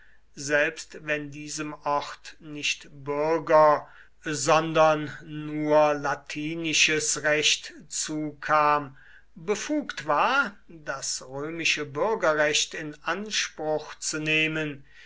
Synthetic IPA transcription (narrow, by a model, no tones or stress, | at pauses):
zɛlpstvɛndiːzəmʔɔʁtnɪçtbʏɐɡɐ | zɔndɐnːuːɐlatʰiːnɪʃəsʁɛʃtt͡suːkʰaːm | bəfuːktv̥aːɐdasʁøːmɪʃəbʏɐɡɐʁɛɕtɪnanʃpʁʊχt͡suneːmən